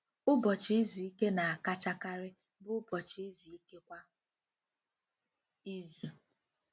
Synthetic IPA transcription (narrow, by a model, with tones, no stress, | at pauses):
ʊ˦bɔ˨t͡ʃɪ˨˦i˦zu˨i˦ke˦na˨a˨ka˦t͡ʃa˦ka˦ɾɪ˦ | bʊ˦bɔ˨t͡ʃi˨˦i˦zu˨i˦ke˦kʷa˦ | i˦zu˨